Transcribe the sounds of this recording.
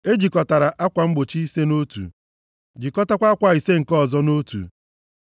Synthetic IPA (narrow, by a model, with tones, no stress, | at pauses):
e˦d͡ʒi˨kɔ˨ta˨ɾa˨ʔa˦kʷa˨ŋ͡m̩˦ɡ͡bʊ˨t͡ʃi˦i˦se˦no˦tṵ˨ | d͡ʒi˨kɔ˦ta˦kʷa˦kʷa˨i˨se˦ŋ̩˨kɔ˦˨zɔ˦no˦tṵ˨